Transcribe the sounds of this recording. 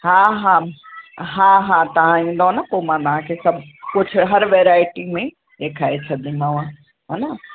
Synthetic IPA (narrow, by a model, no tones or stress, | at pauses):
ɦãɦã | ɦãɦãt̪ɐʋ̤ãĩːnd̪oɦnɐpoːmãt̪ɐʋ̤ãkʰesɐbʱkʊd͡ʑʱʊ̆ɦɐɾʋeːɾaːɪʈimẽ | eːkʰaːet͡ɕʰɐd̪ĩmãːã | ɦɐnɐ